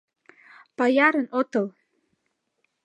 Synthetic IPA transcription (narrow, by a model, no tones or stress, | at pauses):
pɑjɑɾənot̪ɤ̆l